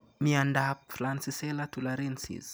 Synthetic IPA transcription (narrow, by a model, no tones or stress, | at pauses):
miandapflansisɛlatulaɾinsḭz